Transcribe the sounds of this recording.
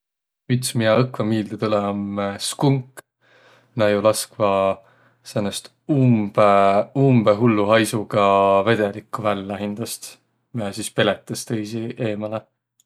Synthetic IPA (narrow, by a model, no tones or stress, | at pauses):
yt̪smiɑɤkvɑmiːld̪et̪ulemskuŋk | nɑjulɑskvɑ | senːest̪ | umb̥umb̥eɦulːuɦɑjsuɡ̥ɑved̪̥elikˑːuvælːæɦind̪̥ɑst̪ | miæsiːspe̞let̪ːˑɑst̪ejsiʔe̞ːmɑle